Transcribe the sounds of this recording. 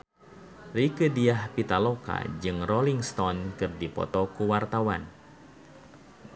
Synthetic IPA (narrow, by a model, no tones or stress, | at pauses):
rikədiahpit̪aloka̰d͡ʒɨŋrɔliŋst̪ɔnkɨrdipɔ̰t̪ɔkuwart̪awan